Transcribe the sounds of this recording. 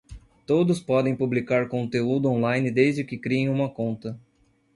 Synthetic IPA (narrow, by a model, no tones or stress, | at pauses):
t̪od̪ʊspɔd̪ẽj̃publikaɾkõnt̪eud̪ʊõlajnɪd̪ezd͡ʒɪkɪkɾiẽj̃ũmɐkõnt̪ɐ